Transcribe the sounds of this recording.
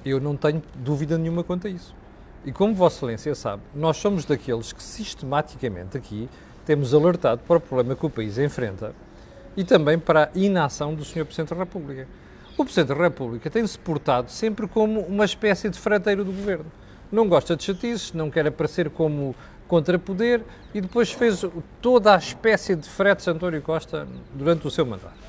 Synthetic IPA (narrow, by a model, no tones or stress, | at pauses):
ewnɐ̃w̃t̪ɐɲud̪uviðɐnɲumɐkõnt̪ɾɐisu̥ | ikomuvɔsfɐlˠẽsiɐsa̰βnɔʃsomuʒðɐkelˠʃkɨ̥siʃt̪ɨmat̪i̥kɐmḛ̃nt̪ɐkʰi | t̪emuzɐlˠɨɾt̪aðupɐɾɔpɾuβlˠemɐkupɐizẽfɾḛ̃nt̪ɐ̰ | it̪ɐ̃mbɐ̃j̃pɐɾaʔinasɐ̃w̃d̪usɲoɾpɾziðẽt̪ðɨʁɛpuβlˠikɐ | upɾɨziðẽt̪ðɨʁɛpuβlˠikɐt̪ɐ̃j̃sɨ̥puɾt̪aðusẽmpɾkomuumɐʃpɛsjɐðɨfɾɐt̪ɐjɾɐðuɣuveɾnu | nɐ̃w̃ɡɔʃt̪ɐd̪ʃɐt̪izʃnɐ̃w̃kɛɾɐpɐɾseɾkomu | kõnt̪ɾɐpuðeɾ | iðɨpojʃfezt̪oðaʃpɛsiɐðɨfɾɛt̪sɐ̃nt̪ɔnjukɔʃt̪ɐd̪uɾɐ̃nt̪usewmɐ̰̃nd̪a̰t̪u